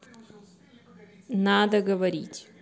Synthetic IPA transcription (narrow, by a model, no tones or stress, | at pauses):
nad̪əɡəvɐɾʲḭtʲ